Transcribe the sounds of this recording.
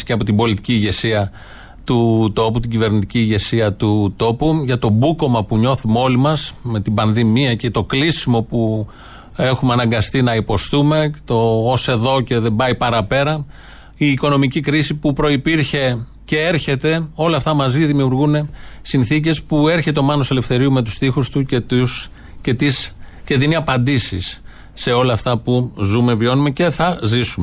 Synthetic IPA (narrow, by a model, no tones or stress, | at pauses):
ceɐpo̞t̪ibo̞lit̪i̥ciːʝe̞siɐ | t̪ut̪o̞put̪iɟive̞ɾnit̪iciːʝe̞siɐt̪ut̪o̞puʝɐt̪o̞buko̞mɐpuɲo̞θumeo̞limɐsme̞t̪ibɐnðimiɐcet̪o̞klisimo̞pu | e̞xumeɐnɐŋɡɐst̪inɐipo̞st̪ume̞t̪o̞ːse̞ðo̞ce̞ðebɐipɐɾɐpe̞ɾɐ | iːko̞no̞micikɾisipupɾo̞ipiɾçe̞ | ce̞e̞ɾçe̞t̪e̞o̞lɐːft̪ɐmɐziðimiuɾɣune̞sinθic̬e̞spue̞ɾçet̪eo̞mɐnoselefθe̞ɾiume̞t̪u̥st̪ixust̪ucet̪us | cet̪isce̞ðiniɐpɐnd̪isisː | e̞o̞lɐːft̪ɐpuzume̞vio̞numece̞θɐzisume